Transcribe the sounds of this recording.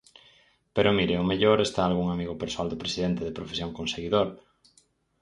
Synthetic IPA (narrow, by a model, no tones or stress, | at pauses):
peɾomiɾeomeʎoɾest̪aːlɣuŋamiɣopeɾsoald̪opɾesiðent̪eðepɾofesjoŋkõnseɣiðoɾ